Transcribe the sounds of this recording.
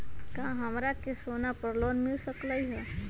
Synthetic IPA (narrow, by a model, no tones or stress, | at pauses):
kãɦəmɾakesonapəɾlonmilsəkləjɦɛ